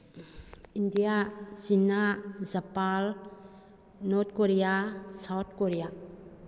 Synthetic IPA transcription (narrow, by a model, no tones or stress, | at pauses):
indijasinazapal | nɔt̚koɾijasawt̪̚ʰkoɾija